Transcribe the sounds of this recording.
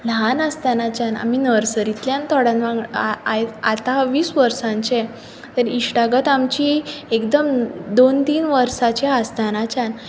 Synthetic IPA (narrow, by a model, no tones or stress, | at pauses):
lanəst̪anat͡ɕãna̰m̤inəɾsəɾit̪ljãnt̪ɔɽãnʋãŋɡajat̪aʋiːsʋəɾsãɲt͡ɕẽ | t̪əɾiɕʈaɡət̪amt͡ɕiekd̪əmd̪ont̪iːnʋəɾsat͡ɕeast̪anat͡ɕan